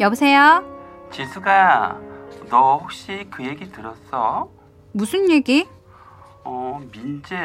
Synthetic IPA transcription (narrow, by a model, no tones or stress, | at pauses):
jʌbusʰe̞jot͡ɕisʰuɡa | nʌɸok̚ɕ͈ikɯje̞ɡitɯɾʌs͈ʌ | musʰunjeɡi | ʌmind͡ʑe